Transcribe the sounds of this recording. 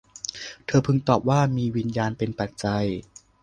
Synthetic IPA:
t̪ʰɤː˧pʰɯ˧ŋt̪ɔː˨˩p̚waː˥˩miː˧wi˧njaː˧npe˧npa˨˩t̪̚t͡ɕa˧j

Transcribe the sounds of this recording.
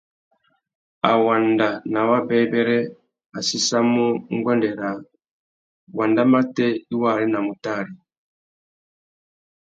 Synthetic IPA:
a̰˨wa˨nda˨na˨wa˦bɛ˦bɛ˦ɾɛ˦ | a˨si˦sa˦mu˦ŋ˦ɡwa˦ndɛ˨ɾa˨ | wa˨nda˦ma˦tɛ˦i˦wa˦˨ɾi˦na˨mu˨ta˦˨ɾi˨

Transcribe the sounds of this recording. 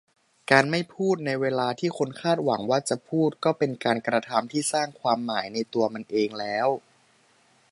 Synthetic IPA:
kaː˧nma˥˩jpʰuː˥˩t̪̚na˧jweː˧laː˧t̪ʰiː˥˩kʰo˧nkʰaː˥˩t̪̚wa˩˦ŋwaː˥˩t͡ɕa˨˩pʰuː˥˩t̪̚kɔː˥˩pe˧nkaː˧nkɾa˧t̪ʰa˧mt̪ʰiː˥˩saː˥˩ŋkʰwaː˧mːaː˩˦jna˧jt̪u˧ɐma˧nʔeː˧ŋlɛː˦˥w

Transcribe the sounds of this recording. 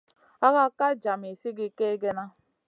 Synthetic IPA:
a˦ɣa˦ka˦d͡ʒa˨me˨si˦ɡɪ˦ke˦ɡe˦na˦

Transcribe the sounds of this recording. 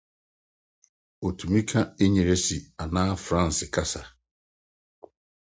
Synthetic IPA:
o˨tʰu˨mĩ˦kʰa˦e˦ɲi˨ɾe˦si˨a˨nãː˦fɾã˦˨n̩˨sɪ˨kʰa˦sa˨

